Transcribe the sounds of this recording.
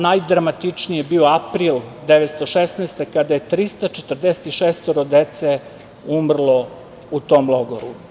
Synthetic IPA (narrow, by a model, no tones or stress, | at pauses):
najd̪ɾamat̪it͡ʂnijebioapɾiːld̪eʋet̪st̪oʃesnaːst̪ekad̪aje̞t̪ɾist̪at͡ʃet̪r̩d̪eset̪iʃest̪oɾod̪et̪se | umr̩lˠo̞ | ut̪oːmlˠoɡoɾu